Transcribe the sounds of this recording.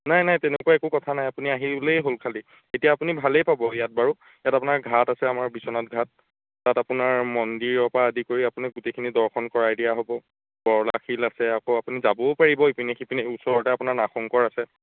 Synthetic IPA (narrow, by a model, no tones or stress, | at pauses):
najnajtɛnekuaɛkukɔtʰanajapuniaɦiblejɦolkʰali | etijaːpunibʱalejpabɔjat̚baɹu | jatapunaɹɡʱatasɛamaɹbisɔnɔt̚ɡʱatː | atapunaɹmɔndiɹɔpaːdikoɹiapunaɡutejkʰinidɔɹkʰɔnkɔɹaedijaɦobɔ | b̥ɔɹla̰xilasɛakoapunizabɔpaɹibɔipinexipinɛusɔɹɔtɛapunaɹnaxɔŋkɔɹasɛ